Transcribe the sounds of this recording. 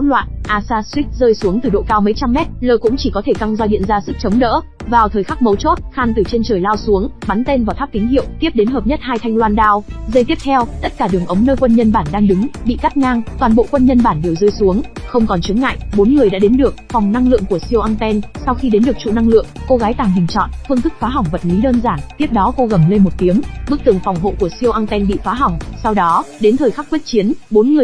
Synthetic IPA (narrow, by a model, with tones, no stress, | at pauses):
lwa̰ː˧˨nʔaː˧saː˧swi˦˥k̚zəː˧jsu˨˦əŋt̪ɨ˨˩ɗo̰˧˨kaː˧wmə˨˦jt͡ɕa˧mːɛ˦˥t̚ləː˧˩kʊ̰˧˥ŋ͡mt͡ɕi˧˩kɔ˨˦t̪ʰe˧˩ka˧ŋzɔ˧ɗḭ˧˨ənzaː˧sɨ˦˥k̚t͡ɕə˨˦wŋ͡mɗə̰ː˧˥ | vaː˨˩wt̪ʰəː˨˩jxa˦˥k̚mə˨˦wt͡ɕo˦˥t̚xaː˧˩nt̪ɨ˨˩t͡ɕe˧nt͡ɕəː˨˩jlaː˧wsu˨˦əŋɓa˨˦nt̪e˧nvaː˨˩t̪ʰːp̚k̪ï˨˦ŋhḭ˧˨wt̪i˦˥əp̚ɗe˨˦nɦəː˨˩p̚ɲə˦˥t̚haː˧jt̪ʰa˧jŋlwaː˧nɗaː˧wzə˧jt̪i˦˥əp̚t̪ʰɛ˧wt̪ə˦˥t̚kaː˧˩ɗɨ˨˩əŋʔə˨˦wŋ͡mnəː˧jkwə˧nɲə˧nɓaː˧˩nɗaː˧ŋɗɨ˨˦ŋɓḭ˧˨ka˦˥t̚ŋaː˧ŋt̪waː˨˩nɓo̰˧˨kwə˧nɲə˧nɓaː˧˩nɗe˨˩wzɨː˧jsu˨˦əŋxə˧wŋ͡mkɔ˨˩nt͡ɕɨ˨˦ŋːa̰ː˧˨jʔɓo˨˦nŋɨ˨˩əjɗa̰ː˧˥ɗe˨˦nɗɨ˨˩ək̚fa˨˩wŋ͡mna˧ŋlɨ̰˧˨əŋku˧˩əsi˧ə˧wʔaː˧nt̪ɛ˧nsa˧wxi˧ɗe˨˦nɗɨ˨˩ək̚t͡ɕṵ˧˨na˧ŋlɨ̰˧˨əŋko˧ɣaː˨˦jt̪aː˨˩ŋɦï˨˩ŋ̟t͡ɕɔ̰˧˨nfɨ˧nt̪ɨ˦˥k̚faː˨˦ɦa˨˩wŋ͡mvə̰˨˩t̚li˨˦ɗəː˧nzaː˧˩nt̪i˦˥əp̚ɗɔ˨˦ko˧ɣə˧˩mle˧nmo˨˩t̚t̪i˨˦əmɓɨ˦˥k̚t̪ɨ˨˩əŋfa˨˩wŋ͡mɦo̰˧˨ku˧˩əsi˧əwʔa˧nt̪ɛ˧nɓḭ˧˨faː˨˦ɦa˨˩wŋ͡msa˧wɗɔ˨˦ɗe˨˦nt̪ʰəː˨˩jxa˦˥kwi˦˥ət̚t͡ɕi˨˦ənɓo˨˦nŋɨ˨˩ə